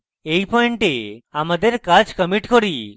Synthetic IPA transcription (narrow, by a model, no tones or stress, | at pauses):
ejpɔeɳʈeamad̪eɾkad͡ʑkəmiʈkoɾi